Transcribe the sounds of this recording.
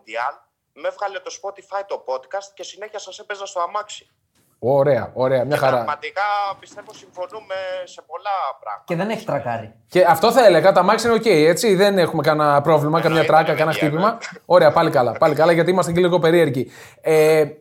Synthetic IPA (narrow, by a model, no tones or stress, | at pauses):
d̪iɐn | mefɣɐlet̪ospot̪ifɐit̪o̞po̞d̪kɐst̪̚ce̞sine̞çiɐsɐsepezɐst̪oɐmɐksi̥ | oɾe̞ɐ̰o̞ɾe̞ɐmɲɐxɐɾɐmɐt̪ikɐpist̪evosiɱfo̞numese̞po̞lɐpɾɐ̰ɣmɐeðeneçi̥t̪ɾɐkɐɾi | ce̞ɐft̪o̞θɐe̞le̞ɣɐt̪oɐmɐksiineo̞ce̞ie̞t͡siðene̞xume̞kɐnɐpɾo̞vlimɐkɐmɲɐt̪ɾɐkɐkɐnɐxt̪ipimɐo̞ɾe̞ɐpɐlikɐlɐpɐlikɐlɐʝɐt̪iimɐst̪eciliɣo̞pe̞ɾie̞ɾci | e